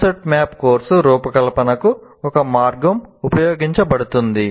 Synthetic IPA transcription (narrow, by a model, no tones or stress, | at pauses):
sɐʈmjaːpkoːɾsuɾuːpɐkɐlɐpɐnɐku | ɔkɐmaːɾɡɐmupɐjoːɡiɲt͡ʃɐpɐɽut̪und̪i